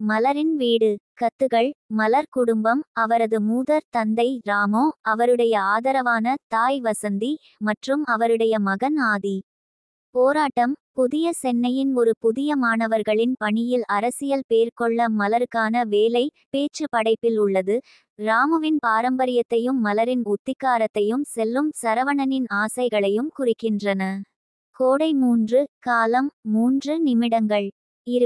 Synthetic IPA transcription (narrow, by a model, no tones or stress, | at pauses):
mɐlɐɾɪnʋeːɽɯkɐt̪ːɯɣɐɭmɐlɐɾkʊɽʊmbɐmɐʋɐɾɐðɯmuːðɐɾt̪ɐnd̪ɐɪɾaːmoːɐʋɐɾɯɽɐjɐaːðɐɾɐʋaːnɐt̪aːjʋɐsɐnd̪i | mɐʈrɯmɐʋɐɾɯɽɐjɐmɐɣɐnaːði | poːɾaːʈːɐmpʊðɪjɐsɛnːɐjɪnɔɾɯpʊðɪjɐmaːɳɐʋɐɾɣɐɭɪnpɐɳɪjɪlɐɾɐsɪjɐlpeːɾkɔɭːɐmɐlɐɾɯkːaːnɐʋeːlɐɪ | peːt͡ʃːɯpɐɽɐɪpːɪlʊɭːɐðɯ | ɾaːmɯʋɪnpaːɾɐmbɐɾɪjɐt̪ːɐjɯmːɐlɐɾɪnʊt̪ːɪkːaːɾɐt̪ːɐjɯmsɛlːɯmsɐɾɐʋɐɳɐnɪnaːsɐɪɣɐɭɐjɯmkʊrɪkːɪndrɐnɐ | koːɽɐɪmuːndrɯkaːlɐmːuːndrɯnɪmɪɽɐŋɡɐɭ | ɪɾ